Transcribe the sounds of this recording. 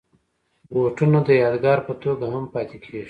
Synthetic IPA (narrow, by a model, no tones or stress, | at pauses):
woʈunod̪əjɑːd̪ɡɑːɾpət̪oɡaɦampɑːt̪ekʰeʒi